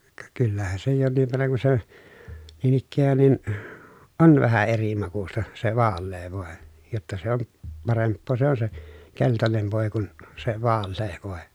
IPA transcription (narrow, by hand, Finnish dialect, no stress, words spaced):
kɑ kylːæhæ se jonːiʋ ʋerːɑŋ ku se niːn ikːæːn nin on ʋæhæ eri mɑkustɑ se ʋɑːlːeː ʋoˑe jotːɑ se on pɑrempːoː se on se keltɑnen ʋoˑi̯ kun se ʋɑːlːeː ʋoˑe